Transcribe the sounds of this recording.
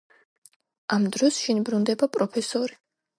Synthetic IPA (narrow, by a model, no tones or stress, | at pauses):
amd̪ɾɔsʃinbɾund̪ɛbapʼɾɔpʰɛsɔɾi